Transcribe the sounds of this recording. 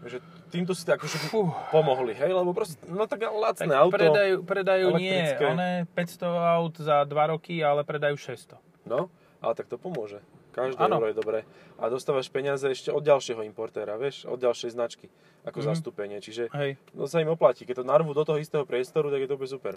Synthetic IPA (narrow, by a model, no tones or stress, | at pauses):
ʒɛ | t̪iːmt̪̬ɔsi̥t̪akɔʒɛbipɔmɔɦliɦɛjlɛbɔpɾɔscɛnɔt̪aɡlat͡s̪nɛawtpɾɔɛd̪ajuːpɾɛd̪ajuɛːlɛɲɪk̪ɛɾit͡skɛɔnɛpɛcst̪ɔawt̪zad̪ʋaɾɔkialɛpɾɛd̪ajuːʃɛst̪ɔ | nɔ | ʔa̰lɛt̪ak̚t̪ɔpɔmʊɔʒɛkaʒd̪ɛɛnɾɔjɛd̪ɔbɾɛːʔa̰d̪ɔst̪aːʋaʃpɛɲɪad͡zɛɛʃcɛɔd̪ɟalʃɪɛɦɔimpɔɾt̪ɛːɾaʋɪɛʃɔ̰d̪ɟalʃɛjznat͡ʃki | akɔzast̪upɛɲɪɛt͡ʃiʒɛɦɛjnɔ̰saimɔplacikɛc̚t̪ɔnarɦuːd̪ɔt̪ɔɦɔist̪ɛːɦɔpɾɪɛst̪ɔɾut̪aɡjɛt̪ɔʋɔbɛsupɛ̰ɾ